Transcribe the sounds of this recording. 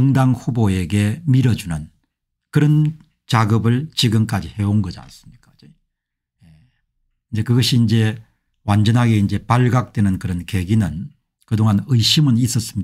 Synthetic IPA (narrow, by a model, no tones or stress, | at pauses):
ʌŋdaŋɸuboe̞ɡe̞miɾʌd͡ʑunɯn | kɯɾʌn | t͡ɕaɡɯbɯɭt͡ɕiɡɯmk͈ad͡ʑihe̞onɡʌd͡ʑia̰ns͈ɯ̥mɲik͈ḁe | je | ind͡ʑe̞kɯɡʌɕʰiːnd͡ʑe̞ | wand͡ʑʌnɦaɡe̞ind͡ʑe̞paɭɡak̚twe̞nɯnkɯɾʌnke̞ɡinɯn | kɯdoŋɦanɯɕʰimɯnis͈ʌs͈ɯmɲi